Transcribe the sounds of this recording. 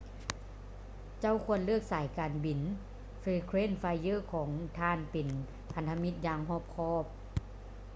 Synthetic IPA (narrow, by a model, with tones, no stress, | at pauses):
t͡ɕa˥˨wkʰu˧˥˧ənlɯ˥˩ək̚saː˨˩˦jkaː˨nbi˨˩n | feː˧kʰɾeː˥˨nfaː˧jːɤː˧˥˨kʰɔː˩˦ŋt̪ʰaː˧˥˨npe˨˩n | pʰa˨˧nt̪ʰa˧mi˧˥t̪̚jaː˧˩ŋɦɔː˧˥˩p̚kʰɔː˧˥˩p̚